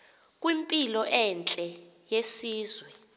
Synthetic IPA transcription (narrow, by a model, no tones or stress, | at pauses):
kʼwimpʼilɔʔɛnt͡ɬʼɛ | jesiːzwɛ